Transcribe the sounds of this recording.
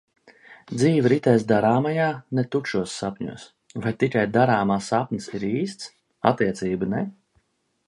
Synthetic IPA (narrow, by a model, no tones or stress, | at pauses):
d̪ziːvɾit̪ɛːs̬d̪aɾaːmajaːnet̪uʃuɔsːapʲɲṵɔs | vajt̪ikajd̪aɾaːmaːsapnʲɨsiɾiːst̪s | a̰t̪iɛt̪siːbɨnɛ